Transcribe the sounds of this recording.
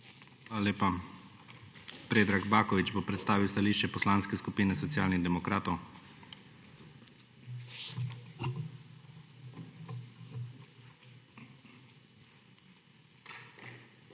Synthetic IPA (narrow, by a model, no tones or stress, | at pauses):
alaleːpa | pɾeːd̪ɾaɡbaːkɔʋit͡ʃbopɾɛt̪st̪aːʋiwst̪aliːʃt͡ʃɛpɔslaːnskɛskupiːnɛsɔt̪sjaːlniɣd̪ɛmɔkɾaːt̪ɔw